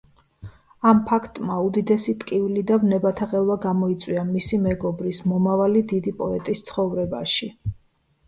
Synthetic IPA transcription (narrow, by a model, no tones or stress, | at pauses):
ampʰakʰt̪ʼmaud̪id̪ɛsit̪ʼkʼivilid̪avnɛbat̪ʰaʁɛlˠvaɡamɔit̪sʼwiamisimɛɡɔbɾismɔmavalid̪id̪ipʼɔɛt̪ʼist̪sʰχɔvɾɛba̰ʃi